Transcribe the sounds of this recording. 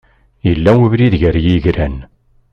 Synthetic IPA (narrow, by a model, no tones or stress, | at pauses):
jəlːæwəvɾiðʝəɾjiʝɾæn